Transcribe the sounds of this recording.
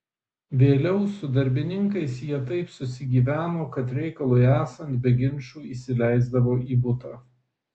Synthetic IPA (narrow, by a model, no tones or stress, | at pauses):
ʋʲeːlʲɛʊsʊd̪ɐɾʲbʲɪnʲɪŋkɐɪsjiɛt̪ɐɪpsʊsʲɪɡʲiːʋʲæːnoːkɐt̪ɾʲɛɪkɐlˠʊɪæːsɐnt̪̚bʲɛɡʲɪnʲˑt͡ʃuːiːsʲɪlʲæˑɪzd̪ɐʋoːʔiːbʊt̪ɑː